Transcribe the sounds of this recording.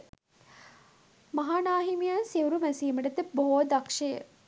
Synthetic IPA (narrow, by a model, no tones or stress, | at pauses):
mɐɦaːnaːɦimijansiwɾumæsiːməʈət̪əboɦod̪akʂejə̰